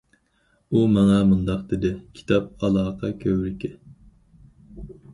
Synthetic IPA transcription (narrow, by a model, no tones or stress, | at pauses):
umɑŋɑmund̪ɑqd̪ɪd̪ɪkʲʰi̥t̪ʰɑp̚ɑlˠɑːqʰɑkʲʰøwɾɪkʲɪ